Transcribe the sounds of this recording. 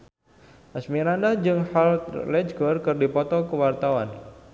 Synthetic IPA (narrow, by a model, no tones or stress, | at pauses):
ʔasmiɾandad͡ʒɨŋhalt̪lɛd͡ʒɡɔrkɨrdipɔt̪ɔkəwart̪awan